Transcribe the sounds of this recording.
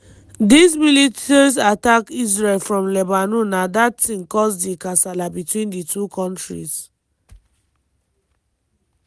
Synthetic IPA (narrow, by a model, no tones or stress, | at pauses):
dismilitis̬atakisɹelfɹɔ̃mlɛbanunadatːĩŋkɔsdikasalabitwĩnditʰukʰɔ̃ntɹḭs